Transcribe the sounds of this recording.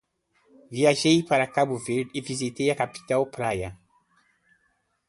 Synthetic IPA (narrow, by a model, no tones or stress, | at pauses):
viaʒejpaɾakabuveɾd̪ivizit̪ejɐkapi̥t̪awpɾajɐ